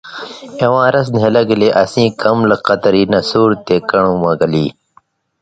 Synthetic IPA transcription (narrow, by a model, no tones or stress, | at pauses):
ewãːɾɐs̬nɦelɐɡileʔɐsĩːkɐmlɐqɐt̪ɐɾiːnɐsuːɾt̪eːkɐɳũːmɐɡɐliː